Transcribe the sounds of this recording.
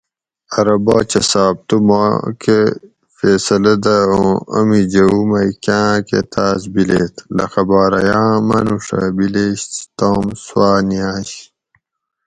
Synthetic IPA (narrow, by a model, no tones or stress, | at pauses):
ɐɾɐbaːt͡ɕɐsaːb̚t̪uma̰ke | feːsɐlɐd̪ɐõɐmid͡ʑɐumɐjkãːkḛt̪ʰaːsbileːt̪ʰlɐ̰xɐbaːɾɐjãːmɐnuʂɐ̰bileːɕt̪oːmswaːniãːɕ